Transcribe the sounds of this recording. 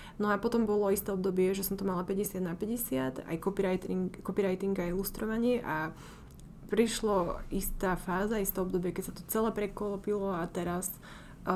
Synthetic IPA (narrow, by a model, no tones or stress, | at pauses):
nɔapɔt̪ɔmbɔlɔist̪ɛːɔb̚d̪ɔbɪɛʒɛsɔmt̪ɔmalapɛɟɛsɪad̪napɛɟɛsɪad̪a̰jkɔpiɾat̪ikɔpiɾajt̪iŋɡajust̪ɾɔʋaɲɪɛʔa | pɾiʃlɔist̪aːfaːzaist̪ɛːɔbd̪ɔbɪɛkɛcsat̪ɔt͡sɛlɛːpɾɛkɔlpilɔat̪ɛɾas